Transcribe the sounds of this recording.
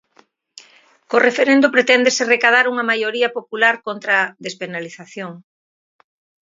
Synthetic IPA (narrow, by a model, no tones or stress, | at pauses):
korefeɾend̪ʊpɾet̪ɛnd̪eserekað̞aɾuŋɐmajoɾiɐpopulaɾkont̪ɾaðespenaliθaθjoŋ